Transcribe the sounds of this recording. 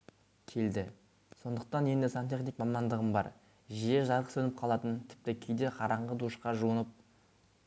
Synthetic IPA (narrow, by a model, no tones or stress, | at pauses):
kʲʰe̞ld̪ɪ | so̞nd̪əq̚t̪ɑnje̞nd̪ɪsant̪ʲe̞χnik̚mɑmɑnd̪əʁəmbɑ̰ɾ | ʒijeʒɑɾʁə̥sɵnɪp̚qʰɑlˠɑt̪ənt̪ʰɪ̥p̚t̪ɪkʲʰejd̪e̞qʰɑɾɑɴʁəd̪uʃqɑʒuənəp̚